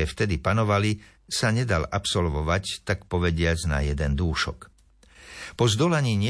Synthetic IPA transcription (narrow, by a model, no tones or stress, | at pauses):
ɛft̪ɛd̪ipanɔʋali | saɲɛd̪alapsɔlʋɔʋact̪akpɔʋɛɟɪad͡zna̰jɛd̪ɛnd̪uːʃɔ̰k | pɔzd̪ɔlaɲiːɲɪɛ